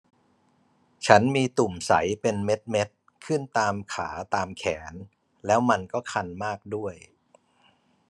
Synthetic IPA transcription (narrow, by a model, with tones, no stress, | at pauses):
t͡ɕʰa˦˥nmiː˧t̪u˨˩msa˩˦jpe˧nme˦˥t̪̚me˦˥t̪̚ | kʰɯ˥˩nt̪aː˧mkʰa̰ː˩˦t̪aː˧mkʰɛː˩˦n | lɛː˦˥wma˧nkɔː˥˩kʰa˧nmaː˥˩k̚du˥˩əj